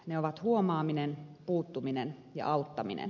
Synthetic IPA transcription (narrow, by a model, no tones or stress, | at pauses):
neoʋɑt̪huomɑːminenpuːt̪ːuminenjɑ̰ʔɑut̪ːɑmḭnḛn